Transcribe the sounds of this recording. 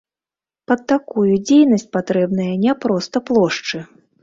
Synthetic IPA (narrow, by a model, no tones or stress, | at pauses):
pɐd̪̚ːakujud͡zʲejnɐsʲt͡sʲpat̪ɾɛbn̪ɐjɐnʲɛpɾɔst̪ɐplˠɔʂt͡ʂɨ